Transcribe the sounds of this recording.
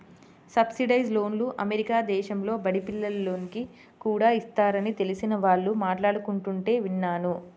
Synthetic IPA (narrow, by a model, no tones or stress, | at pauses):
sɐbsiɖɐjd͡ʒlo̞ːnluʔɐmeɾikaːd̪ɛːʃɐmlo̞ːbɐɽipilːɐlɐlo̞ːniki | kuːɽaːist̪aːɾɐnit̪e̞lisinɐʋaːɭːumaːʈlaːɽukuɳʈuɳʈe̞ːʋinːaːnu